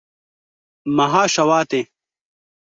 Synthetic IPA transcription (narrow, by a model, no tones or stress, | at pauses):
mɐɦaːɕɐwaːt̪e